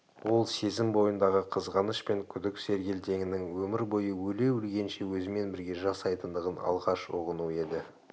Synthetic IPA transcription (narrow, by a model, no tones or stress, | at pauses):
wo̞lˠse̞zɪmbo̞jənd̪ɑʁəqʰəzʁɑnəʃpe̞ŋkʲʰʏd̪ɪkse̞ɾɡʲe̞lt̪ʰe̞ŋɪnɪŋwɵmɪɾbo̞jəwɵle̞wɪlɡʲe̞nʃe̞wɵzɪme̞nbɪɾɡʲe̞ʒɑsɑjt̪ənd̪əʁənɑ̰lˠʁɑʃoʁənue̞d̪ɪ